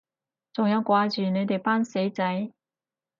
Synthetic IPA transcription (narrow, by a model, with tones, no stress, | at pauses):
t͡sʊ˨˩ŋja˥wkwaː˨˧˥t͡ɕyː˨˩ne˨˧˥t̪e˨˩pa˥nse˨˥jt͡sa˨˥j